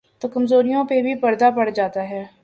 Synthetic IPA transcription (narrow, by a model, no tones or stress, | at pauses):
t̪oːkɐmzoːɾijõpebʱipɐɾd̪apɐɽd͡ʒaːt̪aɦɛː